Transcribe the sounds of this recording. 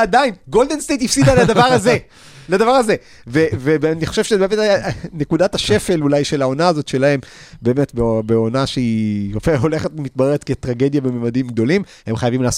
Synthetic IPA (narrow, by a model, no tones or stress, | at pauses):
adainɡo̞ldenst̪ejtifsidalad̪avaʁaze | lad̪avaʁaze̞ | vevebaniχo̞ʃevʃebemetanekudathaʃe̞fe̞lulajʃelao̞naːzotʃe̞lahe̞m | be̞ːmetbebeonaʃeiofeo̞le̞χetimit̪̚baʁeʁet̪ketʁaɡe̞djabememadimɡ̚do̞lim | he̞mχajavimlaːs